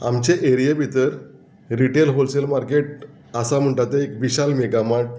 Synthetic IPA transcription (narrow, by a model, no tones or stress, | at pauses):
a̰mt͡ɕeʔeɾijabʱit̪əɾ | ɾiʈelɦolselmaɾkeʈ̚ | asam̤əɳʈat̪əekbiɕalmeɡamaʈ̚